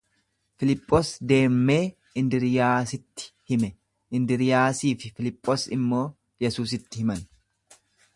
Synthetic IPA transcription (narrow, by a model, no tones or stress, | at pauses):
fɪlɪpʼːoːsd̪e̞ːmːe̞ː | ɪnd̪ɪɾɪjaːsɪt̪ːɪ̥hɪmɛ | ɪnd̪ɪɾɪjaːsiːfɪfɪlɪpʼːoːsɪmːo̞ː | jɛsuːs̬ɪt̪ːɪhɪmɐn